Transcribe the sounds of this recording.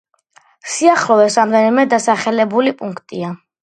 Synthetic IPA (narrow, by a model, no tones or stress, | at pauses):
siaχlɔvɛsɾamd̪ɛnimɛd̪asaχɛlɛbulipʼuŋkʰt̪ʼia